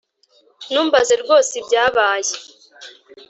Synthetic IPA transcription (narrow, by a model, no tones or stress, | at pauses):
nuːmbaze̞ɾɡo̞ːsibɟaːβaːje